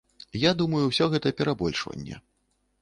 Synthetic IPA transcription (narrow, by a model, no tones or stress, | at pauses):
jad̪umɐjuwsʲɔɣɛt̪ɐpʲɛɾabɔlʲʂvɐ̰nʲːɛ̰